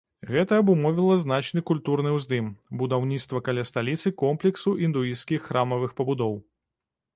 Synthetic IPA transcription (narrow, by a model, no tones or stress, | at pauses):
ɣɛt̪ɐːbumɔvʲilˠɐznat͡ʃnɨkulʲt̪uɾnɨwzd̪ɨmbud̪awnʲit̪st̪vɐkalʲast̪alʲit̪sɨkɔmplʲɛksuʔind̪uiskʲixːɾamɐvɨxpɐbud̪ɔw